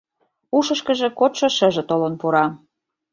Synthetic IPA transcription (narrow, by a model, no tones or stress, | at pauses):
uʃə̆ʃkə̆ʒĕkot̪ʃɤ̆ʃə̆ʒĕt̪olə̆npuɾɑ